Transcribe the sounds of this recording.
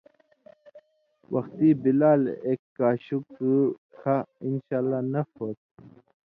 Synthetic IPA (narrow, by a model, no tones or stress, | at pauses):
wɐxt̪ibilaːleːkːaːɕukkʰainɕaːlːaːnɐfoːt̪̚